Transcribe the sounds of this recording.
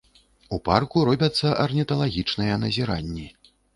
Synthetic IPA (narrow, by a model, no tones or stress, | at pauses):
uparkuɾɔbʲɐt̪sːɐʔɐrnʲit̪ɐlˠaɣʲit͡ʂnɨjɐnɐzʲiɾa̰nʲːi